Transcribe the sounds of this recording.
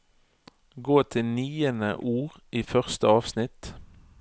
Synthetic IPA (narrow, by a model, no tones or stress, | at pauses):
ɡoːt̪ʰɪnyːənə̰ʔuːʁ | iːfœʁst̪əɑːʋsnɪt̪